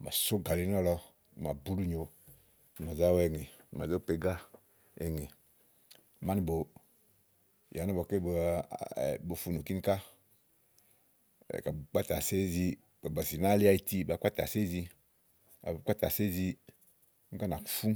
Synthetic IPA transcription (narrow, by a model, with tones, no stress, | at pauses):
ma̰˨so˦ɡa˨li˦n˦ɔ˦lɔ˧˨ | ma˨bu˦lu˦ɲo˨ | m˨a˨za˦wɛ˨ŋe˨m˨a˨zo˦˨pe˨ɡa˦ | e˨ŋe˨ | ma˦ni˨bo˨ | ja˨na˦bɔ˨ke˦b | bo˨fu˨˧nu˨ki˦ni˦ka˦˨ | ka˨bk͡pa˦ta˨se˦zi˧ | a˨ba˨si˨na˦li˦a˦˨i˧˨ti˦ba˨˦kʷa˦ta̰˨se˦zi˧ | a̰˨kʷa˦ta˨se˦zi˧˦ | ŋ̩˦ka˦na˨ku˨˦fu˦